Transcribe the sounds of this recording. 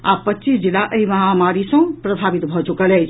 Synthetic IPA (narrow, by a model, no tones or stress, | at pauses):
a̰pətːʃisd͡ʒilaʔəiməɦamaɾisə̃pɾəbʱabit̪bʱɔt͡ʃukələt͡ʃʰ